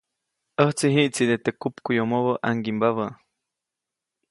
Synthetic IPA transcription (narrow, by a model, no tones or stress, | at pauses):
əht͡siɦiʔt͡sid̪et̪ekupkujomoβəʔaŋɡimbaβə